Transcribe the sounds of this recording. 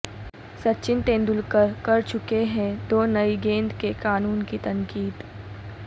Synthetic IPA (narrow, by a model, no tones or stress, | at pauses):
sɐtːʃɪnt̪ẽːnd̪ʊlkɐɾt͡ʃʊkeɦɛ̃d̪oːnɐiɡẽːnd̪kekaːnuːnkit̪ɐ̃ŋkiːd̪